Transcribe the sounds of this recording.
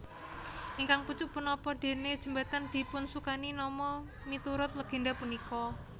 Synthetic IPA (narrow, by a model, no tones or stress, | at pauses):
ʔiŋkaŋput͡ʃʊʔpənɔpɔd̪̥e̤ned̥ʒ̥ə̤mbat̪and̪̥i̤pʊnsukaninɔmɔ | mit̪uɾʊt̪̚ləɡ̥e̤ndapunikɔ